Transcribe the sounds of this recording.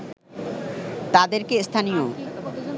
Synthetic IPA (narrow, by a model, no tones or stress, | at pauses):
t̪ad̪eɾkest̪ʰanijo